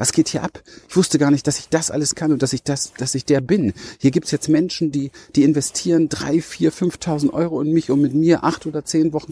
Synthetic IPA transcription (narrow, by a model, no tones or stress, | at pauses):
vasɡ̥eːthiːɐʔapʔɪçv̥ʊstəɡaːɐnɪçtd̥asɪçd̥asʔa̰ləskʰanʊnt̚d̥asɪçd̥asd̥asɪçd̥eːɐbɪnhiːɐɡiːptsjɛt͡stmɛnʃn̩diːd̥iːɪnvɛstʰiːʁ̞əndʁa̰ɪfiːɐfʏnftʰaʊzn̩tʔɔ̰ʏʁ̞oʊnmɪçʔʊmmɪtmiːɐʔaχtʔoːdɐt͡seːnvɔχn̩